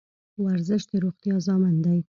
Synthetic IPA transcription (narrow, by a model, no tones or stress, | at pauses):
waɾzəʃd̪əɾoχt̪jɑzɑmand̪aj